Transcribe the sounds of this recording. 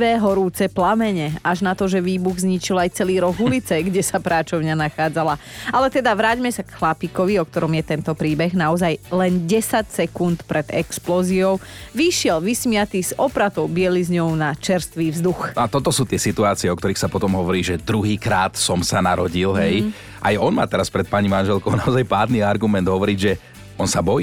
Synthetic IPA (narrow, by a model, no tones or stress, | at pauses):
ʋɛːɦɔɾuːt͡sɛplamɛɲɛaʒnat̪ɔʒɛʋiːbuɣzɲit͡ʃilajt͡sɛliːɾɔɣulit͡sɛɡɟɛsapɾaːt͡ʃɔʊɲanaxaːd͡zalaalɛt̪ɛd̪aʋɾaːɟmɛsakxlapikɔʋiɔk̚t̪ɔɾɔmjɛt̪ɛnt̪ɔpɾiːbɛɣnaɔzajlɛnɟɛsacsɛkunt̪pɾɛd̪ɛksplɔːziɔʊʋiʃɪɛlʋismɪat̪iz̥ɔpɾat̪ɔʊbɪɛlizɲɔʊnat͡ʃɛɾst̪ʋiːvzd̪uxnɔat̪ɔt̪ɔsuːt̪ɪɛsit̪uaːt͡siɛɔk̚t̪ɔɾiːxsapɔt̪ɔmɦɔʋɔɾiːʒɛd̪ɾuɦiːkɾaːt̪sɔmsanaɾɔɟilɦɛj | ʔa̰jɔnma̰ːt̪ɛɾaspɾɛt̪̚paɲimanʒɛlkɔʊnaɔzajpaːd̪niaɾɡumɛnd̪ɦɔʋɔɾiɟʒɛ | ɔnsabɔjiː